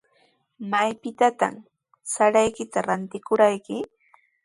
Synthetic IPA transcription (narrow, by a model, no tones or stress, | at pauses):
majpɪt̪at̪a̰m | saɾajkɪt̪aɾant̪ɪkʊɾajkɪ